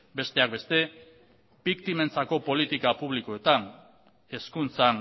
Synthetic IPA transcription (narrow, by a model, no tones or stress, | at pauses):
be̞st̪e̞ak̚be̞st̪e̞ | bikt̪ime̞nt͡sako̞po̞lit̪ikapuβ̞liko̞e̞t̪an | e̞skunt͡san